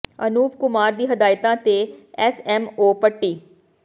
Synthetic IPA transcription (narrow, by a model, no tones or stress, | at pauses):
ənuːp̚kʊmaːɾd̪iːɦəd̪aːjt̪ãːt̪eːɛsɛːmoːpəʈːiː